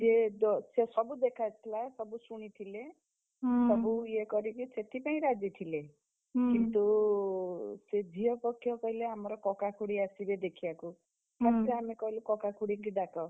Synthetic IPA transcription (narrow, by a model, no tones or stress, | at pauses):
jed̪sesʌbud̪ekʰat̪ʰilasʌbusuɽ̃it̪ʰile | sʌbujekʌɾikit͡sʰet̪ipaĩɾad͡zit̪ʰile | kint̪o | sed͡zʱijʌpʌkijokʌileɦamɾokɔkakʰuɽiasiɾed̪ekʰijaku | kasɾiamikʌilekɔkakʰuɽikiɖ̪akʌ